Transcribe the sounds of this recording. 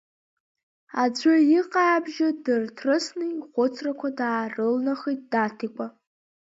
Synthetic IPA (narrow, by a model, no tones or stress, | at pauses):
ad͡ʒʷʊjiqʼaabʒadɨrtʰrɨsnɨiχʷʊt͡sʰrakʷʰadaːrɨlnaχijt̚d̥atʰikʷʼa